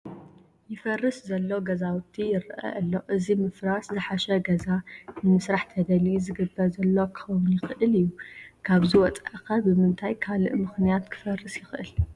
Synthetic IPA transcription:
jɪfɐrːɨszɐlːo̞ɡɐzawɨt̪ʰːijɪɾʔɐ̰ʔɐlːo̞ʔɨzimɨfɾaszɨħaʃɐɡɐzanɨmɨsɾaħt̪ʰɐd̪ɐlizɨɡɨbːɐɾzɐlːo̞kʰɨ̥xɐwʊnjɪxɨʔɨlɨjːukʰaβziwɔt͡sʼa̰ʔkɐbɨmɨnt̪ʰajkʰalɨ̰ʔmɨxnijat̪kʰɨ̥fɐrːɨsjɪxʔɨl

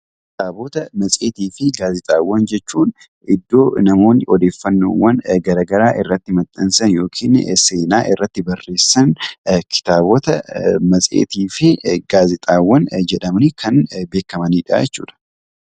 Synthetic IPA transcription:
kɪ̥t̪aːbɔt̪ɐmɐsʼeːt̪iːfɪɡaːzɪt̪ʼaːwːɐnd͡ʒɛt͡ʃːuːn | ʔɪd̪ːo̞ːnɐmo̞ːnɔd̪e̞ːfːɐnːo̰ːwːɐnɡɐɾaːɡɐɾaːʔɪrːɐt̪ːɪmɐt̪ʼːɐnsɐnjo̞ːkʰiːnse̞ːnaːʔɪrːɐt̪ːɪbɐrːe̞ːsːɐnkʰɪ̥t̪aːbɔt̪ɐmɐsʼḛːt̪iːfɪɡaːzɪt̪ʼaːwːɐnd͡ʒɛᶑɐmnɪkʰɐnbe̞ːkːɐmɐniːᶑa̰ːjɛt͡ʃːṵːᶑ̪ɐ̥

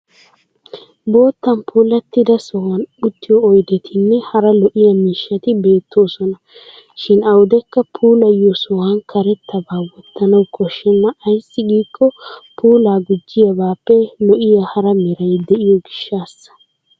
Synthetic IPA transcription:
bo̞ːt̪ːɐnpʰuːlɐt̪ːɪd̪ɐsɔwɐnʊt̪ːɪjɔːjd̪ɛt̪ʰɪnːɛhɐɾɐlɔʔɪjɐmiːʃːɐt̪ɪbe̞ːt̪ʰːo̞ːsɔnɐ | ʃɪnɐwd̪ɛkːɐpʰuːlɐjɔsɔhɐnkʰɐɾɛt̪ːɐbaːwɔt̪ːɐnɐwkʰɔʃːɛnːɐɐjsːɪɡiːkːɔpuːlaːɡʊd͡ʒːɪjɐbaːpːɛlɔʔɪjahɐɾɐmɛɾɐjd̪ɛʔɪjɔɡɪʃːaːsːɐ̥

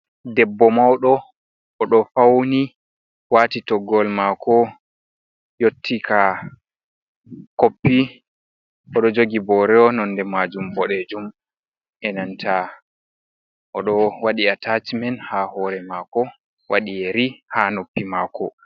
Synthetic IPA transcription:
dɛbːɔmawɗɔ | ʔːɗɔfawni | waːtitɔɡɔlmakɔ | jotʰːika | kopːi | ʔɔɗɔd͡ʒoɡibɔɾɛɔnɔnːdɛmad͡ʒumbɔɗɛd͡ʒum | ʔɛnantʰa | ʔɔɗɔwaɗiatat͡ʃimɛnhahɔːɾɛmakɔ | waɗijɛɾihanopːimaːkɔ

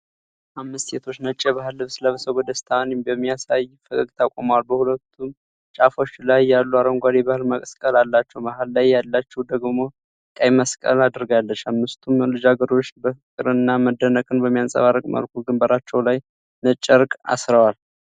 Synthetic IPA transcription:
ʔamːɨst̪set̪ʰo̞t͡ʃːnət͡ʃʼːɛbahɨlːɨβsɨləβsəɡɔd̪əst̪ʰanibəmːijasajfəkʼəɡt̪ʰakʼoməwalbəhulət̪ʰːum | t͡ʃʼafo̞t͡ʃːlajːalːuaɾəŋɡʷad̪ebahɨlməkʼəskʼəlalːat͡ʃːɛwbaɦɨlːajːalːat͡ʃːɛwd̪əɡmo̞ | kʼajməskʼə̰lad̪ɾɡalːət͡ʃːamːɨst̪ʰumlɨd͡ʒaɡəɾo̞t͡ʃːbəfɨkʼɨɾɨnːaməd̪ːənəkʼɨnbəmːijansʼə̰βarəkʼmə̰lkʰuɡɨmbəɾat͡ʃːɛwlaj | nət͡ʃʼːəɾkʼa̰sɾəwal

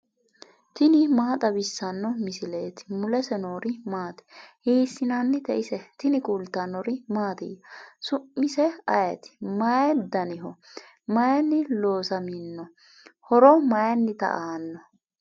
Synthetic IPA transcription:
t̪ɪnɪmaːt̪ʼɐbɪsːɐnːɔmɪsɪleːt̪ɪ̥mʊlɛsɛnoːɾɪmaːt̪ɛ̥hiːsːɪnanːɪt̪ɛʔɪsɛt̪ɪnɪkʼult̪ːɐnɔɾɪmaːt̪ɪjɐsʊmːɪsɛɐjɛt̪ɪ̥mɐjɛd̪ɐnɪɦɔ | mɐjɐnːɪlo̞ːsɐmɪnːɔ | hɔɾɔmɐjɐnːɪt̪ɐ̰ʔaːnːɔ

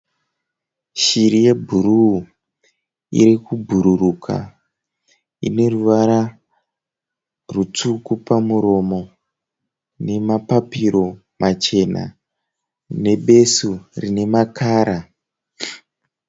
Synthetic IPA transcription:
ʃiɾije̞bʱuɾu | ḭɾikubʱuɾurukʰa̰ | ḭne̞ruʋaɾa | rut͡sukupamuɾo̞mo̞ | ne̞mapapiɾo̞ | mat͡ʃe̞na̰ | ne̞ɓe̞surine̞makʰaːɾa

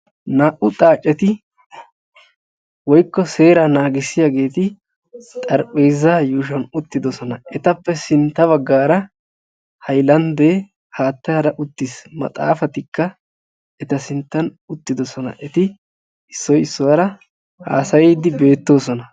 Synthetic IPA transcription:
naːʔʊt̪ʼaːt͡ʃʼːɛt̪ɪ | wɔjkːɔse̞ːɾɐnaːɡɪsːɪjaɡe̞ːt̪ɪ | t̪ʼɐɾpʼeːzːaːjuːʃ̬ɐnʊt̪ːɪd̪ɔsɔnɐʔɛt̪ɐpːɛsɪnt̪ːɐβɐɡːaːɾɐ | hɐjlɐnd̪eː | haːt̪ːɐɾɐʔʊt̪ːɪsmɐ̰t̪ʼa̰ːfɐt̪ɪkːɐ | ɛt̪ɐsɪnt̪ːɐn | ʊt̪ːɪd̪ɔsɔnɐ̰ʔɛt̪ɪ | ɪsːɔjɪsːɔwɐɾɐ | ha̰ːsɐjiːd̪ɪbe̞ːt̪ːo̞ːsɔnɐ

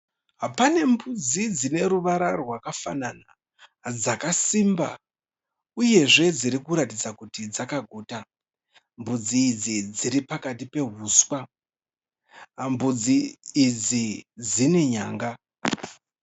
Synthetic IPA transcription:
ɦapane̞mbud͡zid͡zine̞ɾuʋaɾawakafa̰nana | d͡zakasimba̰ | uje̞ʐe̞d͡ziɾikuɾatid͡zakutid͡zakaɡʱoːta | mbud͡ziːd͡zid͡ziɾipakatipe̞ɦuːswa | mbud͡ziːd͡zid͡zine̞ɲa̰ːŋɡa

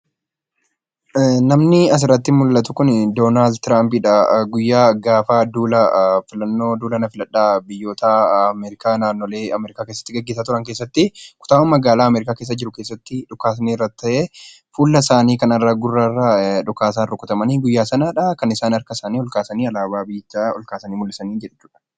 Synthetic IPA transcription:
nɐmnɪɐs̬ɪrɐt̪ːɪmʊlːɐt̪ʊkʊnd̪oːnaːld̪̚t̪ɾaːmpɪᶑɐɡʊjːaːɡaːfaːd̪uːlɐfɪlɐnːo̞ːd̪uːlɐnɐfɪlɐᶑːaːbɪjːo̞ːt̪ʰaːɐmeɾɪkaːnaːnːoːleːɐmɛɾɪkaːke̞ːsːɐ̥t̪ːɪɡɐɡːeːsaːt̪ʊɾɐŋkeːs̬ːɐt̪ːɪkʊ̥t̪aːʊnmɐɡaːlaːɐmɛɾɪkaːkeːs̬ːɐd͡ʒɪɾʊke̞ːsːɐt̪ːɪᶑʊkaːs̬niːrːɐt̪ːɐʔeː | fuːlːɐsaːniːkɐnɐrːaːɡʊrːaːrːaːᶑʊkaːs̬aːnrʊkːʊt̪ɐmɐniːɡʊjːaːsɐnaːᶑɐkɐnɪsaːnɐɾkɐsaːniːɔlkaːsɐniːɐlaːbaːbɪt̪ːɔ̰lkaːsɐniːmʊlːɪsɐniːd͡ʒɛᶑt͡ʃːuːᶑɐ̥

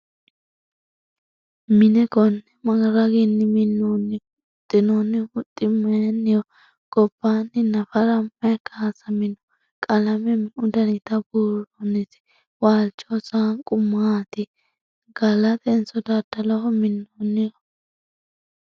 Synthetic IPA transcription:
mɪnɛɡɔnːɛmɐɡɾɐɡɪnːɪmɪnːoːnːɪʊʊt̪ʼːɪnonːɪʊt̪ʼːɪmɛnːɪjɔ | ɡ̥ɔb̥ːaːnːɪnɐfɐɾɐmɛkːaːsɐmɪnɔ | kʼɐlɐmɛmʊd̪ɐnɪt̪ɐbuːɾɔnɪsɪ̥ | waːlt͡ʃːɔsaːnkʼʊmːat̪ɪ | ɡ̥ɐlɐt̪ɛnsɔd̪ad̪ɐlɔhɔmɪnːonːɪjɔ

